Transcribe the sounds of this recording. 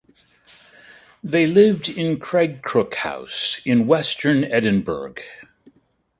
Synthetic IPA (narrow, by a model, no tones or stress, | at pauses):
ðeɪlɪvdɪ̃nkʰɹ̥ɛɡ̚kʰɹ̥ʊkha̰ʊsɨ̃nwɛstʰə̃˞nɛd̃ⁿn̩bə̰˞ɡ̥